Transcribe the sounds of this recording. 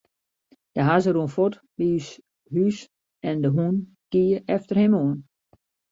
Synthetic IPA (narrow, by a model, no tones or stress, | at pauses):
d̥əɦazərunfot | bis | hys | ɛndəɦun | kiəʔɛftərhɛmoən